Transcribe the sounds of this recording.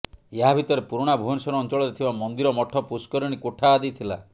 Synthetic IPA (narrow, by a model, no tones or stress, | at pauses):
eɦabʱit̪ɔɾepuɾuɽ̃abʱuɦɔnsɔɾɔːnt͡ʃɔɭɔɾet̪ʰibamɔnd̪iɾɔmɔʈʰɔpuskɔɾɔɽ̃ikoʈʰaːd̪ijt̪ʰila̰